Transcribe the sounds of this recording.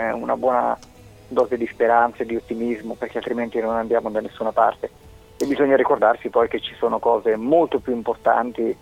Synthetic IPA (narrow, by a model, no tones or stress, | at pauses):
una̰bwɔːna̰ | d̪ɔːzed̪ispeɾant̪saed̪iot̪ːimizmoperk̟ealt̪ɾiment̪inonand̪jaːmod̪anesːuːnapa̰rt̪e | ebːizoɲːaɾikord̪arsipɔjk̟et͡ʃːi̥soːnokɔːzemolt̪opjuimport̪a̰nt̪i